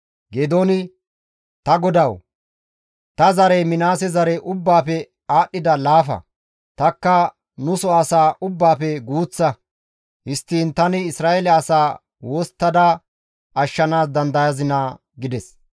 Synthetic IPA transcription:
ɡeːd̪onɪ | t̪ɐɡɔd̪ɐw | t̪ɐzɐɾɛjmɪnaːsɛzɐɾɛʔʊbːaːpɛ | aːɗːɪd̪ɐlaːfɐ̰ | t̪ɐkːɐ | nʊsɔɐsaːʔʊbːaːpɛɡuːt͡sːɐ | hɪst̪ːiːnt̪ɐnɪɪsɾaːʔelɛɐsaː | woːst̪ːɐd̪aː | ɐʃːɐnaːs̬d̪ɐnd̪ɐjɐzɪnaː | ɡɪd̪ɛs

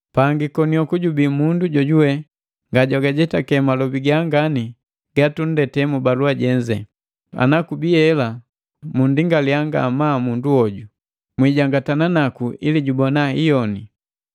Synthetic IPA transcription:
paŋɡikɔniɔkuɟubimunduɟɔɟuwɛ | ŋɡaɟɔɡaɟɛtakɛmalɔbiɡaŋɡani | ɡ̥atun̩dɛtɛmubaluaɟɛɲd͡ʒɛ̰ | a̰nakubiɛla | mundiŋɡalijaŋɡa̰mamunduɔɟu | mwiɟaŋɡatananakuʔiliɟubɔnaijɔni

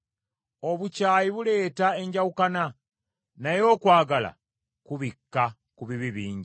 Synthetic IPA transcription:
o̞βucaːjiβule̞ːtaeɲɟawukana | najo̞ːkwaːɡala̰ | kuβikːa | kuβiβiβiːɲɟi

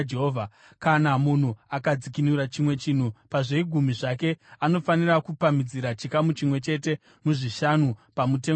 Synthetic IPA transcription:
d͡ʒeɦoːvʱa | kanamun̤uakad͡zikinuɾat͡ʃimwe̞t͡ʃin̤upaʐeiɡʱumiʐake̞ano̞fanirakupamid͡ziɾat͡ʃikamut͡ʃimwe̞t͡ʃe̞te̞ | muʐiʃanupamute̞

